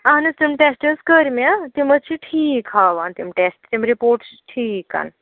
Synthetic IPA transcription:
anɨst̪imʈesʈəɾskəɾmat̪imɐt͡ʃʰiʈʰiːkhaːʋaːnt̪imʈesʈt̪imɾipoːɾʈsʈʰiːka̰ːn

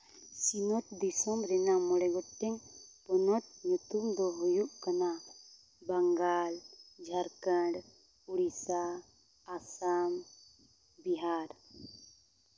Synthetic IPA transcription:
sinɔt̪̚d̪isɔmɾɛnamɔɽɛɡɔɛŋpɔnɔt̪̚ɲut̪umd̪ɔɦɔjuʔkana | baŋɡald͡ʒʱaɾkəɖ | uɽisaː | sam | biɦaɾ

